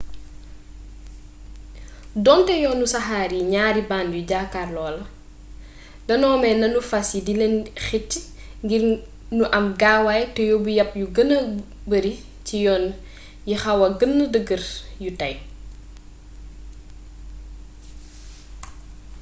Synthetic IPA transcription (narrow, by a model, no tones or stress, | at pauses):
dɔntɛjɔːnːusɐxaːɾiɲaːɾibaːnjuɟaːkːaːrlɔːlɐ | dɐnɔːmɛnɐnufɐsidilɛnxitː | ŋɡir | nuʔɐmɡaːwajtɛjɔbujɐpːjuɡənə | bəɾi | cijɔːn | jixɐwɐɡənːɐdəɡəɾjutɐj